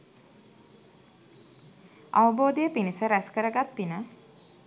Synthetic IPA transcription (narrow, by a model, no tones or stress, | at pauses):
a̰ʋəboːd̪ejəpinisəɾæskəɾəɡat̪pinə